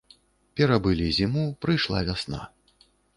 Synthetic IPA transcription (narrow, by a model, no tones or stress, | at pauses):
pʲɛɾabɨlʲizʲimupɾɨjʂlˠa̰vʲasna̰